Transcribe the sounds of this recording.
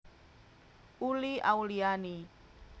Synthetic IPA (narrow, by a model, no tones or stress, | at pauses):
uliʔauliani